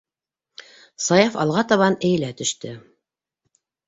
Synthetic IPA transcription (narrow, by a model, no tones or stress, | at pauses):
sɑjɑfɑ̰lˠʁɑt̪ɑβɑnɘ̆jɘ̆læt̪ɵ̆ʃt̪ɘ